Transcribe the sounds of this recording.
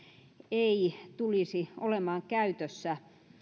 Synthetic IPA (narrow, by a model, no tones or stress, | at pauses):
eit̪ulisiʔolemɑːŋkæyt̪øsːæ